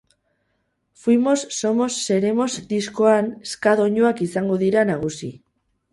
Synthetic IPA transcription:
fwimo̞sːo̞mo̞sːe̞ɾe̞mo̞zd̪isko̞aneskaðo̞ɲuakisaŋɡo̞ðiɾanaɣ̞usḭ

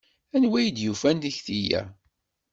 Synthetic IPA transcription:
ænwæjd̪jufænt̪içθijæ̰

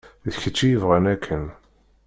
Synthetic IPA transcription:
ðəçət͡sːijəvʁænækʰːən

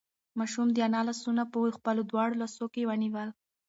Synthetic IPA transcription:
mɑʃumd̪əjanɑlasunapəjxpəlod̪wɑɽolasokewaniwəl

